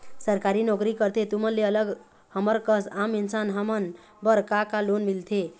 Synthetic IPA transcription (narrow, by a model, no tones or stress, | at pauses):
səɾkaɾinɔkɾikəɾt̪ʰet̪umənleələɡ | həməɾkəsaminsanɦəmən | bəɾkakalonmilt̪ʰe